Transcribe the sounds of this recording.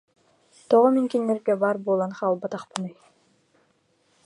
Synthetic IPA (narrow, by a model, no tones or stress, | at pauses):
t̪ɔʁɔmiŋkinːɛɾɡɛbaːɾbuɔːlˠanχaːlˠbat̪aχpɯnɯj